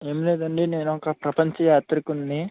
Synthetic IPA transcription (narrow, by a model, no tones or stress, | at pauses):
eːmile̞ːd̪ɐɳɖine̞ːnuɔkːɐpɾɐpɐɲt͡ʃɐjaːt̪ɾikunːeː